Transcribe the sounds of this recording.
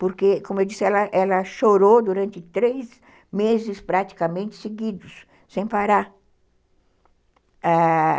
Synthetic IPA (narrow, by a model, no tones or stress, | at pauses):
poɾkekõmʊewd͡ʒ̪isɪɛlɐʔɛlɐʃoɾod̪uɾɐ̃nt̪ɪt̪ɾez | mezɪspɾat̪i̥kɐmẽnt͡ʃ̪ɪ̥seɡid̪ʊsː | ẽj̃paɾa | a